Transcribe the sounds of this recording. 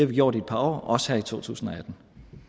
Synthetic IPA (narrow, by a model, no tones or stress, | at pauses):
eɐʋiɡ̥jo̰ɐɾied̥̚pʰɑ̈ɒ̰ːɒ̽sə̥hæɐ̰it͡sʰo̝̰ːt͡sʰṵːsn̩ɒ̽æd̥n̩